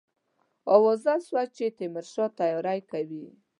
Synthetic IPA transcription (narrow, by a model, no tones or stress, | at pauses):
ɔwɔzaswat͡ʃet̪emɪɾʃɔt̪ajɔɾajkawi